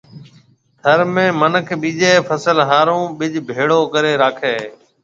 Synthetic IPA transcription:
t̪ʰəɾmẽːmənəkʰɓiːd͡ʒeːpʰəsəlɦaːɾõːɓɪd͡ʒbʱeːɽoːkəɾeːɾaːkʰeː

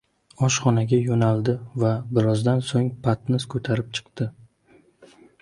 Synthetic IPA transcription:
ɒʃχɒnaɡʲajonalˠd̪ɪvabɪɾɒzd̪ansoŋpʰat̪nɪz̥kʰɵt̪ʰaɾɪp̚t͡ʃʰɨ̥qt̪ɪ

